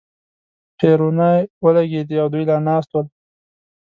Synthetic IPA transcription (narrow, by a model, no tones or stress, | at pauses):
pʰeɾunajwəlaɡed̪iawd̪ujlanɑːst̪wəl